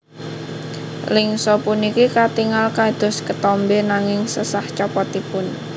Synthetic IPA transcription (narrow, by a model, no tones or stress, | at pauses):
lɪŋsɔpunikikat̪iŋalkad̪̥ɔ̤skət̪ɔmbenaŋɪŋsəsaht͡ʃɔpɔt̪ipʊn